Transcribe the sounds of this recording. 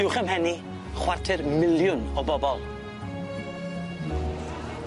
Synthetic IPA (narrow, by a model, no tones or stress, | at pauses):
ɪwχəmɦɛni | χwartʰɪrmɪlˠjʊnɔbɔbɔlˠ